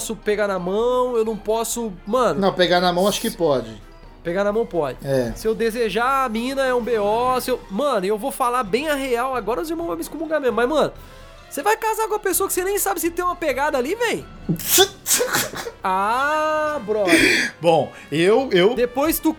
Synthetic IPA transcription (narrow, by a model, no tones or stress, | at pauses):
sʊpeɡanɐmɐ̃w̃ewnɐ̃w̃pɔsʊmɐ̃nʊnɐ̃w̃peɡanɐmɐ̃w̃aʃʊ̥kɪpɔd͡ʒɪ | peɡanɐmɐ̃w̃pɔd͡ʒɪɛsɪewd̪ezeʒaamĩnɐɛũbeɔsɪewmɐ̃nʊewvofalabẽj̃ɐɦeawaɡɔɾɐzɪɾmɐ̃vajmɪskomũɡamẽmɐzmɐ̃nʊ | sevajkazakõmɐpesoɐkɪ̥senẽj̃sabɪsɪt̪ẽj̃ũmɐpeɡad̪ɐalivẽj̃ | a | bɾɔbõw̃ | ewewd̪epojst̪u